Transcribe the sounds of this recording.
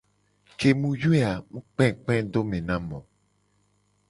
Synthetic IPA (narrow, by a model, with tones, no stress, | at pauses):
ke˨mũ˦ju˦e˦a˨mũ˦k͡pɛ̃˦k͡pɛ̃˦do˦mẽ˨nã˦mɔ̃˨